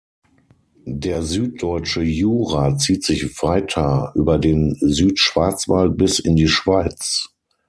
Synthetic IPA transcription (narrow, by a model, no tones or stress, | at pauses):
deːɐzyːt̚d̥ɔʏt͡ʃəjuːʁat͡siːtz̥ɪçv̥ʁaɪtʰɐʔyːbɐdeːnzyːtʃv̥aɐt͡sv̥alt̚bɪsɪndiːʃv̥aɪt͡s